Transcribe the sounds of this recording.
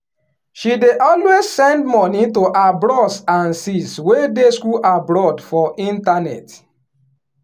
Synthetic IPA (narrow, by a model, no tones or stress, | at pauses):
ʃideʔɔlwezsɛ̃ndmɔnĩtoʔabɹɔsãnsiswedeskuʔabɾɔdfɔʔĩntanɛ̰t